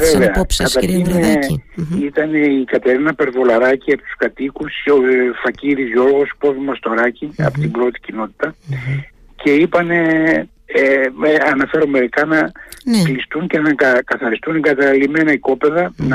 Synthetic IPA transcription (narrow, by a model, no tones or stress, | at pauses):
veveɐɐt̪ɐɾçin | it̪ɐne̞ikɐt̪e̞ɾinɐpe̞ɾvo̞lɐɾɐciɐpot̪u̥skɐt̪ikusofɐciɾizʝo̞ɾɣo̞spo̞vimɐst̪o̞ɾɐciɐ̰pot̪ibɾo̞t̪i̥cino̞t̪i̥t̪ɐ | ce̞ipɐne̞ | eeɐnɐfe̞ɾo̞me̞ɾikɐnɐklist̪unce̞nɐɐkɐθɐɾist̪uneɡɐt̪ɐlime̞nɐiko̞pe̞ðɐnɐ